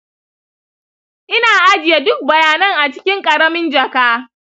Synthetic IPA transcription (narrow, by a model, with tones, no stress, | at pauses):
ʔɪ˦naː˨ʔa˦d͡ʒɪ˨ja˦dʊ˦k̚bɐ˨jaː˨nɐ˦ŋʔa˨t͡ʃɪ̥˦kʲɪ˦ŋkʼɐ˨ɾɐ˦mɪ˦nd͡ʒɐ˨kaː˦